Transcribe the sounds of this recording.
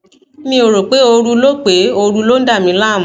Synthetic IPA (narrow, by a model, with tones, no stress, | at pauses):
mĩ˧o˨ɾo˨k͡pe˨˦o˧ɾu˧lo˦k͡pe˨˦o˧ɾu˧lo˦n̩˦da˦˨mĩ˧la˦˨m̩̃˨˦